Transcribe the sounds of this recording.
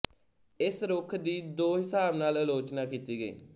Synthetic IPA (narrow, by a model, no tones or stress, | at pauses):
ɪsɾʊkʰd̪iːd̪oːɦɪsaːbnaːləloːt͡ʃnaːkiːt̪iːɡəḭː